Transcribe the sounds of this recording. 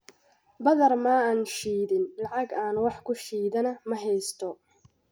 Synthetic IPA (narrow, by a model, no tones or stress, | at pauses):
bɐðɐrmaːaːnʃiːðɪnlɑʕɑɡaːnwɑħkʰʊʃiːðɐnɐmɐɦɛjst̪ʰɔ